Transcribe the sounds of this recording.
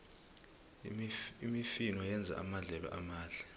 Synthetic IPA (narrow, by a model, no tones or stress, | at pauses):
imifinwajɛnd͡zʱa̰ʔa̰maɮɛɓɛ̰ʔamaːɮʱa